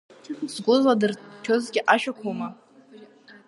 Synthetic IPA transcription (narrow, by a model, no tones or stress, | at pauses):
zɡʷʊzladɨrkʲʰozɡʲɪʔaʃᶣakʷʰowma